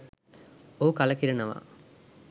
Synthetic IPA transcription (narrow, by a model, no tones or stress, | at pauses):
oɦukalɐkiɾenəʋa̰